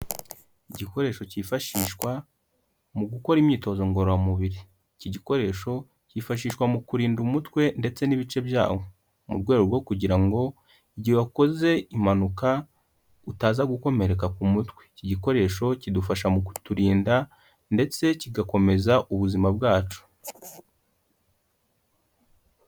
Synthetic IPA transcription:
iɟiko̞ɾe̞ːʃo̞cifaʃiːʃkwa | muɡukoɾimɲiːto̞zoŋɡo̞ɾoamuβiɾi | ciɟiko̞ɾe̞ːʃo̞ | cifaʃ̬iːʃkwamukuɾiːndumutwe̞nde̞t͡se̞niβit͡ʃe̞bja̰ːwo̞ | mṵɾɡweːɾoɾɡo̞kuɟiɾaŋɡo̞ | iɟiβako̞ze̞imanuka | utaːzaɡuko̞me̞ɾe̞kakumutkwe̥ciɟiko̞ɾe̞ːʃo̞cidufaʃamuku̥tuɾiːnda | nde̞t͡se̞ciɡako̞me̞zaʔuβuzimabɡaːt͡ʃu̥

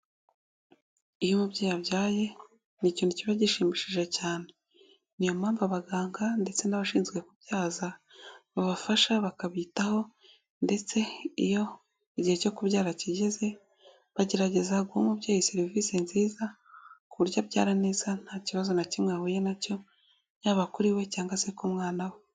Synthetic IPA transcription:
ijumubɟaːjabɟaːje̞ | nicioniciβaɟiʃiːmiʃiʒe̞caːne̞ | nijo̞maːmvaβaɡaːŋɡande̞t͡se̞naβaʃiːnzɡwe̞kubɟaːzaβaβafaʃaβakaβitaho̞ | nde̞t͡se̞ijo̞ | iɟihe̞co̞kuβɟaːɾaciɟe̞ze̞ | βaɟe̞ɾaɟe̞zaɡuomubjaːjiseɾivisenziːza | kuβuɾɟabɟa̰ːɾane̞ːz̥an̥haːciβazo̞nacimŋahuje̞naco̞ | ɲaːβakuɾiwe̞caːŋɡasekumŋaːnawe

